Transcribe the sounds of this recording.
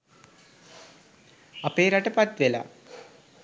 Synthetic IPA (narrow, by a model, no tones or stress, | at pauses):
ɐpeːɾaʈəpɐt̪ʋela̰